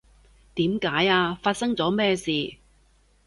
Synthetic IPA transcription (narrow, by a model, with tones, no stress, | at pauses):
t̪iː˨˥mkaː˨˥jaː˧faː˧t̚sɐ˥ŋt͡sɔː˨˥mɛː˥˧siː˨˧